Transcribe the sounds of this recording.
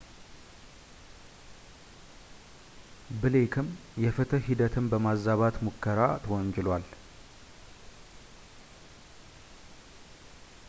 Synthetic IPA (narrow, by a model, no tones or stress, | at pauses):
bɨlekʰɨmjɛfɨt̪ʰəɦid̪ət̪ʰɨmbəmazːaβat̪mokːəɾat̪ʰəwɔɲd͡ʒɪlwal